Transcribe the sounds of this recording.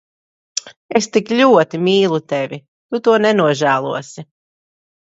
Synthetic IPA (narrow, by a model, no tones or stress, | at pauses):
est̪iklʲuɔt̪imʲiːlˠut̪evʲi | t̪ut̪uɔnɛnuɔʒæːlˠuɔsi